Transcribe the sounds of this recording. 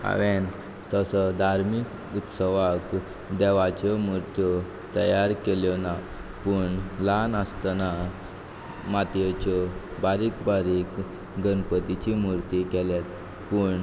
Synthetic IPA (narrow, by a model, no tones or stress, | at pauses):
a̰ʋen | t̪əsɔd̪ʱaɾmik | ut̪səʋak | d̪ɛʋat͡ɕɔmuɾt̪jɔ | t̪əjaɾkeljɔna | puɳlanəst̪əna | mat̪jɔt͡ɕɔbaɾikbaɾik | ɡənpət̪it͡ɕimuɾt̪ikɛljet̪ | pəɳ